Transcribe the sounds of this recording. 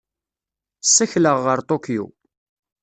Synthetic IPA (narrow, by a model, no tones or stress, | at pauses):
sːæçləʁːəɾt̪ˤokijṵ